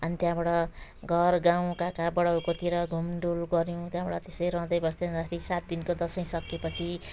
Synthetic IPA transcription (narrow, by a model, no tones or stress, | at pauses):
ʌnit̪jãbaɽʌɡʱʌrɡãw̃kakabʌɽawkot̪iɾʌɡʱumɖulɡʌɾjũt̪jãbaɽʌt̪esʌjɾʌ̃ɦd̪ʌjbʌsd̪ʌʌd̪akʰʌɾisat̪̚d̪inkod̪ʌsʌj̃sʌkːepʌt͡sʰi